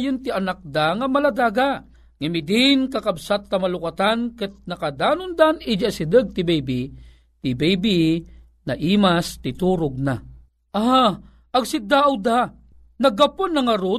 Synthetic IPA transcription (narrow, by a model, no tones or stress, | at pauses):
jʊnt̪iɐnak̚d̪aŋɐmɐlad̪aːɡa | ŋamɪd̪ɪnkakabsat̪̚ːɐmalʊkat̪ankɨt̪̚nɐkad̪aːnʊnd̪anɪd͡ʒasid̪əɡ̚t̪ɪbejbi | t̪ibejbi | naʔiːmast̪ɪt̪uɾʊɡ̚na | ʔa | ʔɐɡsɪd̪aʔawd̪a | nɐɡaponːɐŋɐɾʊ